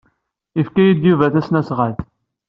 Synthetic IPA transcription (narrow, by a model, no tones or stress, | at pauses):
ifkæjid̪juvæθæsnæsʁælθ